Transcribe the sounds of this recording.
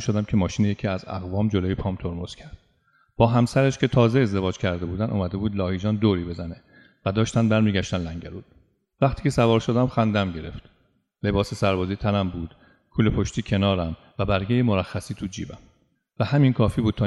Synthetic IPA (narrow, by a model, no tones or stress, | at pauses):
ʃod̪æmkʲʰemɒːʃiːnejecʰiːæzæ̰ɣvɒːmd͡ʒoloːjepʰɒːmt̪ʰoɾmoz̥cʰæɾd̪̥ | b̥ɒːɦæmsæɾeʃcʰe̞t̪ʰɒːzeezd̪e̞vɒːd͡ʒcʰæɾd̪e̞buːd̪ænʔo̰ːmæd̪e̞buːd̪lɒːhiːd͡ʒɒːnd̪oːɾiːbe̞zæne | væd̪ɒːʃt̪æn̚bæɾmiːɡæʃt̪ænlæŋɟæluːd̪̥ | væχt̪ʰiːcʰe̞sævɒːɾʃod̪æmxænd̪æmɟe̞ɾe̞̰ft̪ | le̞bɒːsesæɾbɒːzit̪ʰænæmbuːd̪̥ | kʰuːlepʰoʃt̪ʰiːcʰe̞nɒːɾæm | væbæɾɡejemoɾæxːæsiːt̪ʰud͡ʒḭːbæm | væhæminkʰɒːfiːbuːd̪̥̚t̪ʰɒː